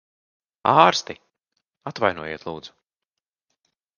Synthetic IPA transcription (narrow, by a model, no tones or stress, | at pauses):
aːɾst̪i | at̪vajnuɔjeɛt̪lˠṵːd̪z̥u̥